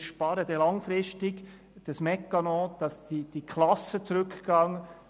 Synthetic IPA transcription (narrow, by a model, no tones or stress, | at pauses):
ʃpɑɾəd̥̪ɛlɑŋfɾɪʃtɪɡ | d̥ɑsmɛkːɑnɔ̃ːd̪̥ɑsid̥ikʰlɑsət͡suɾɵkɡ̥ɑŋ